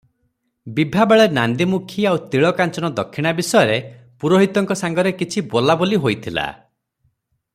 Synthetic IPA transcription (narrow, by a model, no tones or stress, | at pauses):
bibʱabaɭenand̪imukʰiawt̪iɭɔkant͡ʃɔnɔd̪ɔkʰːiɽ̃abisɔjɔɾe | puɾoɦit̪ɔŋkɔsaŋɡɔɾekit͡ʃʰibolaboliɦojt̪ʰila̰